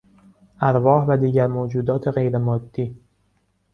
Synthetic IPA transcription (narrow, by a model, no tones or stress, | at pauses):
ʔæɾvɒːhvæd̪iːɟæɾmoːd͡ʒuːd̪ɒːt̪ʰe̞ɣe̞jɾemɒːd̪̥ːiː